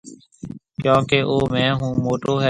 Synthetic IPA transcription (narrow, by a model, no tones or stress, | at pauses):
kjõːkeːʔoːmɛ̃ːɦũːmoːʈoːɦɛː